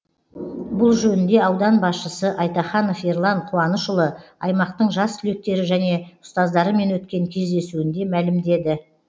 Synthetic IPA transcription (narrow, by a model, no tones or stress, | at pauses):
bʊlˠʒɵnɪnd̪e̞ɑwd̪ɑnbɑsʃəsəʔɑjt̪ɑχɑnofeɾlˠɑɴqʰuɑnəʃʊlˠəɑjmɑq̚t̪əɴʒɑst̪ʰʏle̞k̚t̪e̞ɾɪʒæne̞ʊ̥st̪ɑzd̪ɑɾəme̞nwɵt̪̚kʲe̞ŋkʲʰe̞zd̪e̞suɪnd̪e̞mælɪmd̪e̞d̪ɪ